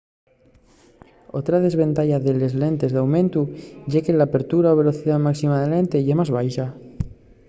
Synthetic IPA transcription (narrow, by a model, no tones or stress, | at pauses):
o̞t̪ɾaðe̞zβe̞nt̪aʎaðele̞zle̞nt̪e̞zðawmẽ̞nt̪uʝekelaːpe̞ɾt̪uɾaoβ̞e̞lo̞θiðamaksimaðele̞nt̪e̞ʝemazβ̞ajʃa